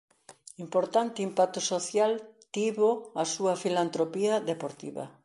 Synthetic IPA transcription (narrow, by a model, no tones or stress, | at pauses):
impoɾt̪ant̪ɪimpak̚t̪ʊsoθjalt̪iβoasuɐfilant̪ɾopiɐðepoɾt̪ḭβɐ̰